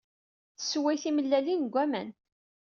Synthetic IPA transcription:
θəswæjθiməlːælinɡʷæmæn

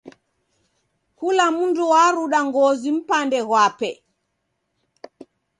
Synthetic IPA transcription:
hulamunduwaɾuɗaŋɡozim̩pandɛɣwapɛ

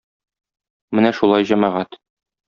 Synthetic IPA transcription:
mɘnæʃulˠɑjʑæmɑʁæt̪

